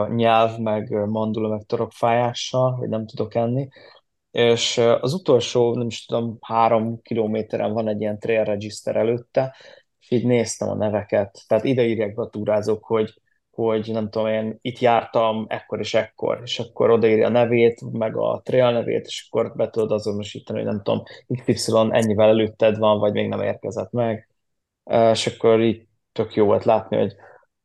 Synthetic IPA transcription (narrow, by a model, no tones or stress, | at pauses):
ɲɛlvmɛɡmɒnd̪ulɒmɛkt̪oɾo̞kfaːjaːʃːɒlɦo̰ɟnɛmt̪ud̪o̞kɛnːi | eːʃɒzut̪o̞lʃoːnɛmiʃt̪ud̪o̞mhaːɾo̞mkiloːmeːt̪ɛɾʔɛ̰ɱvɒnɛɟːijɛnt̪reːɛrːɛd͡ʒist̪ɛ̰ɾʔɛløːt̪ːɛ | eʃiːɟneːst̪ɛ̰mɒ̰nɛvɛkɛt̪ːɛɦaːt̪id̪ɛiːɾjaːɡ̚bɛɒt̪uːɾaːzoːkho̞ɟ | ho̞ɟnɛmt̪uo̞meːnit̪jaːrt̪ɒmɛkːo̞ɾeːʃɛkːo̞̰reːʃɒkːo̞̰ɾo̞d̪ɒiːɾjɒ̰nɛveːt̪mɛɡɒ̰t̪reːlnɛvḛːt̪e̥ːʃɒ̥kːo̞rbɛt̪ud̪od̪ɒzono̞ʃḭːt̪ɒnio̰nɛ̰mt̪uo̰miktpipsɛlo̞nʔɛ̰ɲːivɛlɛløːt̪ːɛd̪vɒɱvɒɟmeːɡnɛmḛːrkɛzɛt̪mɛɡ | eʃɒkːo̞ɾiːɟ̚ | t̪ːø̞kjoːvo̞̰lt̪laːt̪nḭho̞̰ɟ